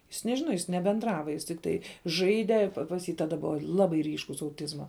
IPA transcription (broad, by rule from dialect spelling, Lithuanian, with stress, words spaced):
ɪs nʲɛˈʒʲɪnɐ ɪs nʲɛbʲɛnˈdrɑːʋɐ jɪs tʲɪkˈtɐɪ ˈʒɐɪdʲɛ pɐs ˈjiː ˈtɑːdɐ ˈbʊʋɐ ˈlˠɑːbɐɪ ˈrʲiːʃkʊs ɐʊˈtʲɪzmɐ